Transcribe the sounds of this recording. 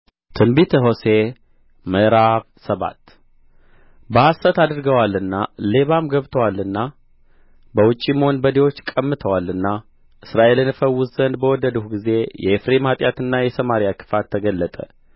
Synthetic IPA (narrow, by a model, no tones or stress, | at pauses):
t̪ʰɨnbit̪ʰɦo̞se̞ | məʔɾaβ | səβa̰t̪ː | bəasət̪ad̪ɨɾɡəwalɨnːale̞βamɡəβt̪ʰəwalːɨnːa | bəwʊt͡ʃʼːiməho̞nbəd̪ewo̞t͡ʃːkʼəmːɨt̪ʰəwalɨnːa | ʔɨsɾaʔe̞lɨnɨfəwːʊzzənd̪bəwɔd̪ːəd̪uhuɡize̞jɛ̰efɾemat̪ʼjat̪ɨnːajɛsəmaɾjakʰɨ̥fat̪ʰːəɡəlːət̪ʼə̰